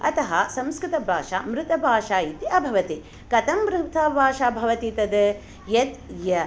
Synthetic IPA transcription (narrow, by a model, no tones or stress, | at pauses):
ɐ̰t̪ɐɦɐsɐ̃mskɾɪt̪ɐbʱaːʂa̰ːmɾɪt̪ɐbʱaːʂaːjit̪iɐbʱɐʋɐt̪i | kɐt̪ɐmːɾut̪ʰɐbʱaːʃaːbʱɐʋɐt̪it̪ɐd̪ | jɐt̪jɐ